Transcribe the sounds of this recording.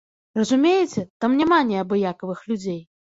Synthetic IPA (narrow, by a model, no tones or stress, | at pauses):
rɐzumʲejɛt͡sʲɛt̪amnʲamanʲɛɐbɨjakɐvɨxlʲud͡zʲej